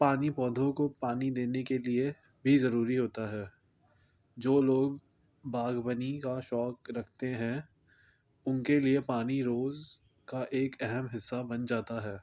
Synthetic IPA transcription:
paːnipɔːd̪ʱõkopaːnid̪eːnekelie | bʱizɐɾuːɾiɦoːt̪aɦɛː | d͡ʒoːloːɡ | baːɡbənikaʃɔːkɾɐkʰt̪eɦɛ̃ | ʊnkeliepaːniɾoːz | kaʔeːkɛɦɛmɦɪsːabɐnd͡ʒaːt̪aɦɛː

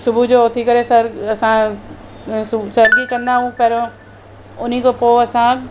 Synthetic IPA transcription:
sʊbʱud͡ʑoot̪ʰikɐɾesɐɾɐsã | ssɐɾɡikɐ̃nd̪aɦũpɐɾõ | ʊn̤ikopoːɐsã

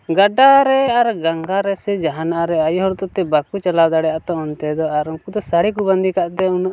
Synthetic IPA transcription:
ɡaɖaɾɛaɾɡaŋɡaɾɛsɛd͡ʒaɦanaʔaɾɛajɦɔɾt̪ɔt̪ɛbakut͡ʃalawd̪aɽɛjaʔt̪ɔɔnt̪ɛd̪ɔaɾɔŋkud̪ɔsaɽik̬uband̪ikaʔt̪ɛunʔ

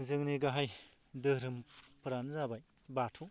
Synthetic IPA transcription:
zɯŋniɡaɦajdɯɾɯmpɯɾanzabaj | batʰu

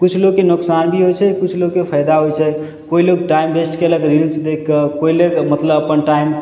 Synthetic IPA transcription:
kut͡ʃʰloɡkenoksanbʱiɦojt͡ʃʰɛkut͡ʃʰloɡkepʰəjd̪aɦojt͡ʃʰɛ | koiloɡʈaimbesʈkeələkɾilsd̪ekʰkəkoilekmət̪ləbəpənʈaim

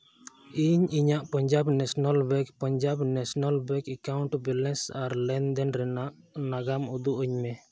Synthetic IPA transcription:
iɲiɲaʔpɔɲd͡ʒabnɛsɔnalbɛkpɔɲd͡ʒabnɛsɔnalbɛkɛkawɳʈbɛlɛsaɾlɛnd̪ɛnɾɛnaʔ | naɡamud̪uʔəɲmɛ

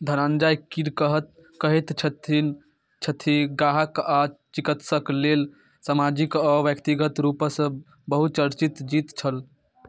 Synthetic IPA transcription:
d̪ʱəɾand͡ʒajkiɾkəɦət̪̚ | kəɦɛt̪t͡ʃʰət̪ʰin | t͡ʃʰət̪ʰiɡaɦəkat͡ʃikət̪səklel | samad͡ʒikəʋjəkt̪iɡət̪ɾupəsə | bəɦut͡ʃəɾt͡ʃit̪d͡ʒit̪t͡ʃʰəl

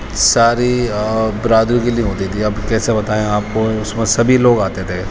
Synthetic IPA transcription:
saːɾibɪɾaːd̪ɾikelieɦoːt̪it̪ʰiɐbkɛːsebɐt̪aːẽaːp̚koʊsmẽsɐbʱiloːɡaːt̪et̪ʰeː

